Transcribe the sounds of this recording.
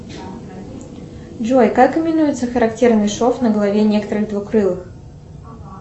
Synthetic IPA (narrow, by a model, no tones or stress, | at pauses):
d͡ʒojkakːəmʲɪnujɪt̪səxəɾɐktʲe̞rnɨjʂofnəɡəlˠɐvʲenʲe̞kət̪əɾɨɣd̪vukɾɨlˠɨx